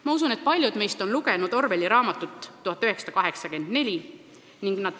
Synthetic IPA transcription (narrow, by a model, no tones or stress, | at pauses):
mɑusune̞t̪̚pɑlʲjud̪̥me̞jst̪o̞nluɡe̞nud̪o̞rve̞lʲiɾɑːmɑt̪ːˑut̪ˑːuhɑt̪ːˑøɦeksɑ̥d̪ɑkɑɦe̞ksɑke̞nd̪̥ne̞lʲi | niŋɡ̥nɑd̪̥